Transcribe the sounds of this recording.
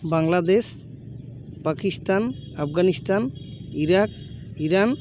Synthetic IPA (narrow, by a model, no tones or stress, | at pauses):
baŋlad̪es | pakistanapʰɡanistaniɾak̚ | iɾan